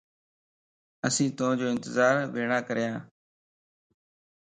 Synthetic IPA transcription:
əsĩːt̪õd͡ʒoːɪ̃nt̪ɪzaːɾʋeːɳãːkəɾɪjãː

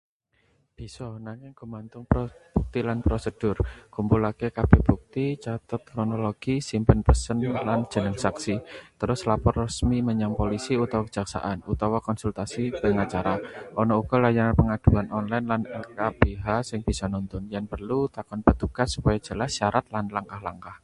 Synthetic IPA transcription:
b̥i̤sɔnaŋɪŋɡ̥umant̪ʊŋpɾɔb̥uk̚t̪ilanpɾosəd̥ʊrkumpulakekab̥eb̥uk̚t̪it͡ʃat̪ət̪̚kɾonoloɡ̥isimpənpəsənland̥d͡ʒ̥ə̤nəŋsaksit̪əɾʊslapɔrːəsmiməɲaŋpolisiut̪awakə̥d͡ʒ̥aksa̰ʔanut̪awɔkɔnsult̪asipəŋat͡ʃaɾaʔɔnɔuɡ̥ɔlajananpəŋad̪̥ṳanɔnlajnlanɛlkab̥eɦasɪŋb̥isɔnunt̪ʊnjanpərlut̪akɔnpət̪uɡ̥a̤sːu̥pajḁd͡ʒ̥ə̤lahsaɾat̪̚lanlaŋkahlaŋkah

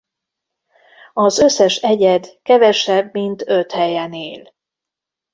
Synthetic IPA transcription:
ɒzøsːɛʃɛɟɛd̪kɛvɛʃɛbmint̪øt̪hɛjɛneːl

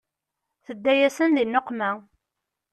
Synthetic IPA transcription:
θəd̪ːæjæsənðinːoqmæ

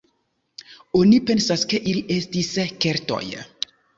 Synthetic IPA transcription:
onipɛnsaskeʔilesd̪isɛkɛrt̪ɔ̰jə̰

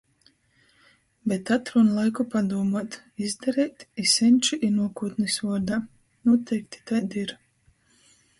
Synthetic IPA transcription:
bɛt̪at̪ɾunlˠajkupad̪uɔmaɔt̪ | izd̪aɾɛːt̪isɛnʲt͡ʃiʔinuɔkuːt̪nɨsvuɔd̪aː | nuɔt̪ʰɛjkt̪i̥t̪ajd̪iɾ

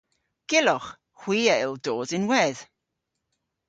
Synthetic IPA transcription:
ɡ̥ɪlɔχ | hw̥iːejlˠdoːzɪnwɛːð̥

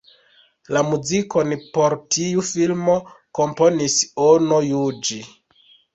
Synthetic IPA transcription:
lamuziko̞npo̞ɾtʰiufilmo̞ | ko̞mpo̞nisono̞jud͡ʒi

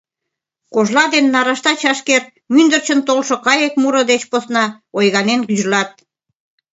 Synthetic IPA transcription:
koʒlɑd̪enːɑɾɑʃt̪ɑt͡ɕɑʃker | mynd̪ərt͡ɕənt̪olʃŏkɑjek̚muɾə̆d̪et͡ɕposnɑ | ojɣɑnenkyzlɑt̪̚

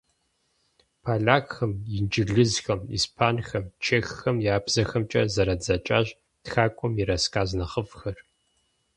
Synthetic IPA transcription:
pʰaːɮaːkxɐmjɪnd͡ʒʼɪɮɨzxɐmḭːspʰaːnxɐmt͡ʃʰeːxːɐmjaːbz̥ɐxɐmt͡ʃʼɐ̰zɐɾɐd͡zɐt͡ʃʼa̰ːʑ | txaːkʷʼɔmjɪɾɐskʰaːznɐχəfxɐr

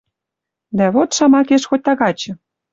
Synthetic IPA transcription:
d̪æβot̪ʃɑmɑkeʃxot̚ʲt̪ɑɣɑt͡ɕɤ̆

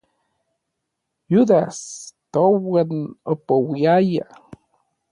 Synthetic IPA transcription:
jud̪ast̪owənəpəwiaja

